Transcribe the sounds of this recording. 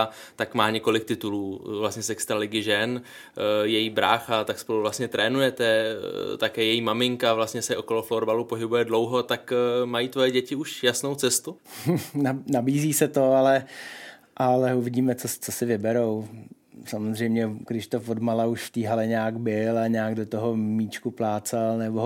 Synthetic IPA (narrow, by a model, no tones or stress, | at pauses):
t̪akmaːɲɛko̞lɪk̚t̪ɪt̪uluːvlast̪ɲɛsɛkst̪ɾalɪɡɪʒɛn | jɛjiːbɾaːxat̪akspoluvlast̪ɲɛt̪ɾɛːnujɛt̪ɛt̪akɛːjɛjiːmamɪŋkavlast̪ɲɛsɛʔo̞ko̞lofloɾbalupoɦɪbujɛdlowɦo̞t̪akmajiːt̪vojɛɟɛcɪuʃjasnowt͡sɛst̪u | nanabiːziːsɛt̪o̞alɛ | ʔalɛuvɪɟiːmɛt͡sot͡sosɪvɪbɛɾow | samozr̝ɛjmɲɛɡɾɪʃt̪ofodmalauʃft̪iːɦalɛɲaːɡbɪlaɲaːɡdot̪oɦomiːt͡ʃkuplaːt͡salnɛbo